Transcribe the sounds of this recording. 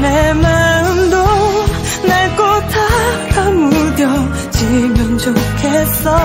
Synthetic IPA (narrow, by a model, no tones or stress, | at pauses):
nemanɯmdo | naɭk͈ot̪ʰat̪ʰamud̪jʌ | t͡ɕimjʌnt͡ɕokʰesʌ